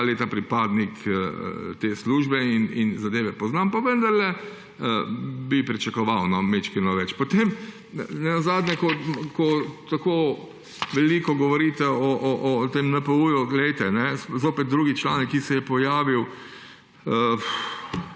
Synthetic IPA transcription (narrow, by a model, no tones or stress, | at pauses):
alet̪apɾipaːd̪nikə̰t̪eːsluːʒbɛinḭnzad̪eːʋɛpɔznaːmpaʋə̃nd̪ɐɾlɛ | əbipɾit͡ʃakɔʋawnɔmet͡ʃkinɔʋɛt͡ʃpɔt̪eːm | nɛnɔzaːd̪njɛkɔkɔt̪akoː | ʋɛlikɔɡɔʋɔɾiːt̪ɛɔʔɔʔɔt̪emnɐpəuːjuɡlɛjt̪ɛnɛzoːpɛt̪̚d̪ɾuːɡit͡ʃla̰ːnɛkːisɛjɛpɔjaːʋiw | ə